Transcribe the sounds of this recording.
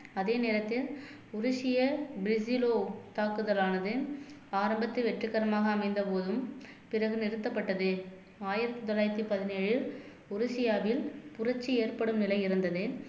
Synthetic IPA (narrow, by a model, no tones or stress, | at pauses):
ɐðeːneːɾɐt̪ːɪl | ʊɾʊʂɪjɐbɾɪsɪloːt̪aːkɯðɐlaːnɐðɯaːɾɐmbɐt̪ːɯʋɛʈrɯkːɐɾɐmaːɣɐːmɐɪnd̪ɐpoːðɯm | pɪrɐɣɯnɪɾɯt̪ːɐpːɐʈːɐðɯ | aːjɪɾɐt̪ːɯt̪ɔlaːjɪɾɐt̪ːipɐðɪneːɻɪl | ʊɾʊsɪjaːʋɪlpʊrɐt͡ʃːieːrpɐɽɯmnɪlɐɪɪɾɯnd̪ɐðɯ